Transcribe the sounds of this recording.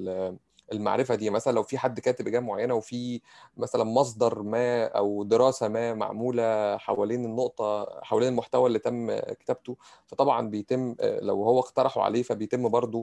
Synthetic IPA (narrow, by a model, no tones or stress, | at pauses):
ʔelma̰ʕɾefæd̪iːmæsælænlæwfiːħad̪ːkæːt̪ebʔɡæːmoʕajːænæwefiː | mæsælænmɑs̬ˤd̪ˤɑɾˤmæːʔæwd̪eɾɑːsæmæːma̰ʕmuːlæħa̰wæleːnenːoʔt̪ˤɑħawæleːnelmoħt̪æwæʔlːit̪æmːke̥t̪æb̚t̪ofæt̪ˤɑbʕɑnbejt̪emːlæ̰whowːæqt̪ɑɾˤɑħo̰ʕa̰leːfæbejt̪emːbɑɾˤd̪ˤo